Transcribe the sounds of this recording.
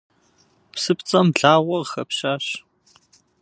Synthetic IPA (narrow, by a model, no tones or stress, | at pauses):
psɨpt͡sʼɐmɮaːʁɐxɐpɕaːɕ